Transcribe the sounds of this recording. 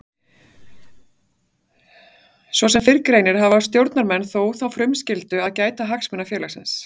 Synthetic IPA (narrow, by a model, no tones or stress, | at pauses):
svɔsɛmfɪɾkɾejnɪɾ̥ɦavḁst̪jowɾt̪naɾmɛnːθoːwθawfɾʏmscɪlt̪ʏaðcaːjt̪aɦaksmʏnːafjɛːlasɪ̰ns